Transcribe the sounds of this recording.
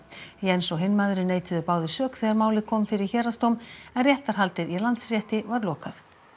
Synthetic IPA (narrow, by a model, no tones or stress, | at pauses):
iɛnsɔɦɪnmaðɾʏneːjt̪ʏðʏpaːwðɪsœːkθɛːɣaɾmaːwlɪkʰɔːmfɪɾɪɾ̥çɛːɾast̪owmɛnrjɛht̪aɾ̥ɦalt̪ɪðilant̪srjɛht̪ɪvaɾlɔːkaθ